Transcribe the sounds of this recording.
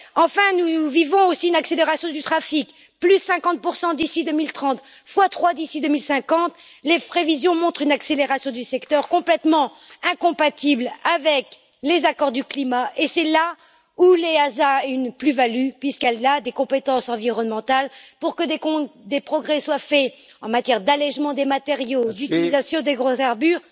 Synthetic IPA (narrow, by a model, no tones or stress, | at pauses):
ɑ̃fɛ̃nuvivɔ̃osiynakseleʁasjɔ̃d̪yt̪χafik | plysːɛ̃kɑ̃t̪̚puʁsɑ̃d̪isid̪ømilt̪χɑ̃t̪ | fwat̪χwad̪isid̪ømilsɛ̃kɑ̃t̪ | lepχevizjɔ̃mɔ̃t̪χynakseleʁasjɔ̃d̪ysɛkt̪œʁkɔ̃plɛt̪mɑ̃ | ɛ̃kɔ̃pat̪iblavɛk | lezakɔʁd̪yklimaʔesɛla | uleazaɛynplyvalypɥiskɛlad̪ekɔ̃pet̪ɑ̃sɑ̃viʁɔnmɑ̃t̪alpuʁkəd̪ekɔ̃d̪epχɔɡʁɛswafɛɑ̃mat̪jɛʁd̪alɛʒmɑ̃d̪emat̪eʁjod̪yt̪ilizasjɔ̃d̪eɡʁokaʁbyʁ